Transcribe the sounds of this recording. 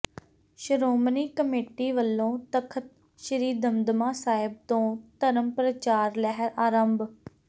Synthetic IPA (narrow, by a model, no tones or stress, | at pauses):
ʃəɾoːmniːkəmeːʈiːʋəlːõːt̪əkʰət̪̚ | ʃəɾiːd̪əmd̪mãːsaːɪb̚t̪õːt̪əɾəmpɾət͡ʃaːɾlɛɦəɾaːɾəmb